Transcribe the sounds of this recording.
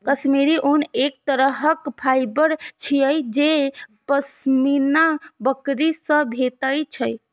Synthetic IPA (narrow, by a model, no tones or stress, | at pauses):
kəsmiɾiʔonek̚t̪əɾəɦəkpʰajbəɾt͡ʃʰijəjd͡ʒepəsminabəkɾisə̃bʱet̪əjt͡ʃʰəj